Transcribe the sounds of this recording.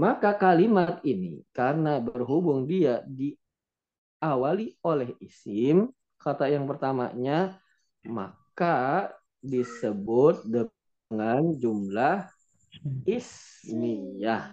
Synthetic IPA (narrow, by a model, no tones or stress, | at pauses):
makakalimat̪̚inḭkarənabərɦubʊŋdiadi | awaliolɛhisɪm | kat̪ajaŋpərt̪ama̰ɲa | ma̰ka | disəbʊt̪̚də | ŋand͡ʒumlah | ismiah